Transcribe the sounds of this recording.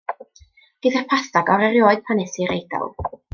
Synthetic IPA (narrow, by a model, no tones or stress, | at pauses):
ɡ̥ɪðapʰaθaɡɔɾɛɾjoːɨð̥̚pʰanɛsiɾejdɔ̰lˠ